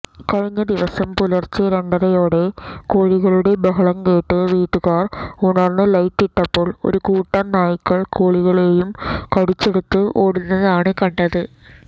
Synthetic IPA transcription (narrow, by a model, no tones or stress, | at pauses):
kɐɻɐŋːɐd̪iʋɐsɐmpulɐrt͡ɕːɨɾɐɳɖɐɾɐjoːɽekoːɻiɣɐɭuɽebɐɦɐɭɐmkeːʈːɨʋiːʈːukaːruɳɐrnɨlɐjt̪ːiʈːɐpːo̞ːɭo̰ɾukuːʈːɐnnaːjukːɐɭkoːɭiɣɐɭeːjumkɐɽit͡ɕːeɽut̪ːɨʔoːɽinːɐðaːɳɨkɐɳɖɐðɨ